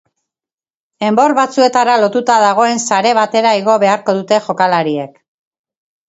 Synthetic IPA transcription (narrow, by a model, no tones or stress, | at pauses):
e̞mbo̞rβat͡sue̞t̪aɾalo̞t̪ut̪aðaɣ̞o̞e̞nsaɾe̞β̞at̪e̞ɾaiɣo̞βe̞aɾko̞ðut̪e̞ʝo̞kalaɾie̞k